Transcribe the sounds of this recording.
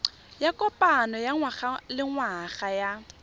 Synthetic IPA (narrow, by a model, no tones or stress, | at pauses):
jakʼɔpʼanɔjaŋwaχalɪŋwaɣaja